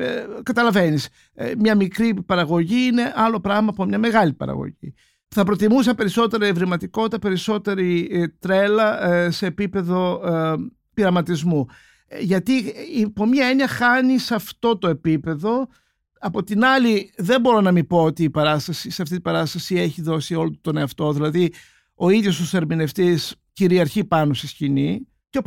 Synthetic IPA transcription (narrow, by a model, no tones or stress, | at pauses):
kɐt̪ɐlɐve̞nis | mɲɐmikɾipɐɾɐɣo̞ʝiine̞ʔɐlo̞pɾɐɣmɐpomɲɐme̞ɣɐlipɐ̰ɾɐ̰ɣo̞̰ʝḭ | θɐpɾo̞t̪imusɐpe̞ɾiso̞t̪e̞ɾɐevɾimɐt̪iko̞t̪it̪ɐpe̞ɾiso̞t̪e̞ɾit̪ɾe̞lɐse̞ːpipe̞ðo̞ | piɾɐmɐt̪izmu | ʝɐt̪iipomɲɐeɲiɐxɐnisɐft̪o̞t̪o̞e̞pipe̞ðo̞ | ɐpo̞t̪inɐliðe̞mbo̞ɾo̞nɐmipo̞ot̪iːpɐɾɐst̪ɐsiseɐft̪it̪ibɐɾɐst̪ɐsie̞çiðo̞sio̞lot̪t̪oneɐft̪o̞ðilɐði | o̞iðjo̞st̪ose̞ɾmine̞ft̪isciɾiɐɾçipɐnost̪iscini | ce